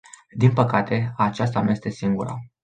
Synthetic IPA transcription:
d̪inpəkat̪ʰe̞at͡ʃast̪anje̞st̪e̞siŋɡuɾa̰

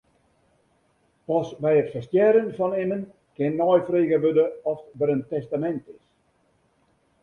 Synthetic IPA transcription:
pɔsbɛjətfərstjɛɾənfɔnɪnən | kɪnːɔjfreːɣəʋødəɔfdəɾəntɛstamɛntɪs

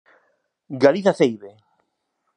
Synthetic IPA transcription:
ɡaliθaθejβe

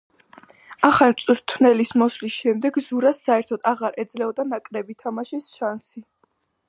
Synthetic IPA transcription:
aχat̪sʼɾt̪ʰwnɛlismɔslisʃɛmd̪ɛɡzuɾasːaɛɾt̪ʰɔd̪aʁaɾʔɛd̪zlɛɔd̪anakʼɾɛbit̪ʰamaʃisʃansi

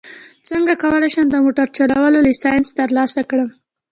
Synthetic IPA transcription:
t͡səŋɡakawəlajʃand̪əmoʈaɾt͡ʃalawəlolisɑjɪnst̪əɾlɑsakɽəm

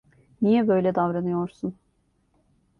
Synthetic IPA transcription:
nijɛbø̞jlʲɛd̪avɾanɯjo̞ɾsun

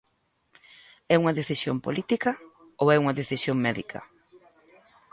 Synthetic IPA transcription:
ɛuŋɐðeθisjo̰mpo̰lit̪ikɐ | owɛuŋɐðeθisjoŋmɛðḭkʰɐ̰

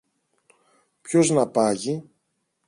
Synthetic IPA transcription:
pço̞znɐpɐʝi

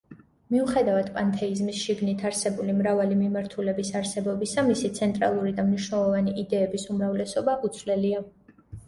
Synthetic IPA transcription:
miuχɛd̪avad̪pʼant̪ʰɛizmisʃiɡnit̪ʰaɾsɛbulimɾavalimimaɾt̪ʰulɛbisaɾsɛbɔbisamisit̪sʰɛnt̪ʼɾa̰lˠuɾid̪amniʃnɛlˠɔvaniʔid̪ɛːbisumɾavlɛsɔbaʔut̪sʰvlɛlia

